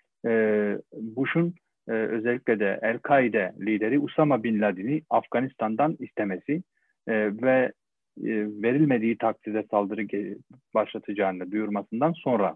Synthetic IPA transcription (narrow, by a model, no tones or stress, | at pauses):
buʃunː | ø̞zɛlʲːiclʲɛd̪ɛʔælʲkʰaid̪ɛlʲiːd̪eɾiusamabinlʲad̪iniafɡ̥anist̪ʰand̪anist̪ʰemesi | vɛ | ve̞ɾilʲmed̪iːt̪ʰak̚sʰid̪ɛsalˠd̪ɯɾɯbaʃlˠat̪ʰɯd͡ʒaːɯnɯd̪ujuɾmasɯnd̪anso̞nɾa